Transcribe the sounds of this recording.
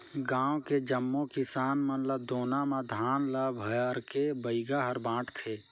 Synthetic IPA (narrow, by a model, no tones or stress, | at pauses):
ɡãːoked͡ʒəmːokɪsaːnmənləbd̪oːnamãd̪ʱaːnləbʱəəɾkebəiɡaɦəɾbãːʈʰt̪ʰe